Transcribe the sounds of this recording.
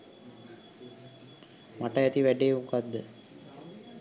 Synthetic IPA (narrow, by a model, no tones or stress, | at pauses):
maʈɐɛt̪iʋæɖejmukad̪ːə